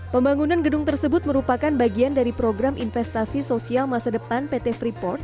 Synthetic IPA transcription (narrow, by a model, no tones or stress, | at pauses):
pəmbaŋunanɡədʊŋt̪ərsəbʊt̪̚məɾupakanbaɡiandaɾipɾoɡɾamʔinfɛst̪asisosialmasadəpanpet̪ɛfɾipɔrt̪̚